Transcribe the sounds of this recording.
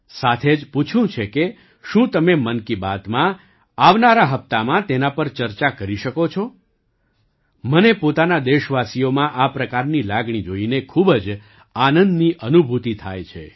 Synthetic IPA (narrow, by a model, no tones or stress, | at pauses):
sat̪ʰed͡ʒput͡ʃʰũt͡ʃʰeke | ʃũt̪əmemənkibat̪mã | aʋnaɾaɦəp̚t̪amãt̪enapəɾt͡ʃəɾt͡ʃakəɾiʃəkot͡ʃʰɔ | mənepot̪anad̪eʃʋasijomãʔapɾəkaɾnilaɡɳ̃id͡ʒoinekʰubd͡ʒ | anənd̪niʔənubʱut̪it̪ʰa̰jt͡ʃʰḛ